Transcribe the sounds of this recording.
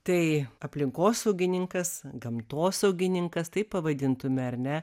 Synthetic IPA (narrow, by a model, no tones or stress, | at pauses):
t̪ɐɪɐpʲlʲɪŋkoːsɐʊɡʲɪnʲɪŋkɐsɡɐmt̪oːsɐʊɡʲɪnʲɪŋkɐst̪ɐɪppɐʋɐd̪ʲɪnt̪ʊmʲɛɐɾʲnʲɛ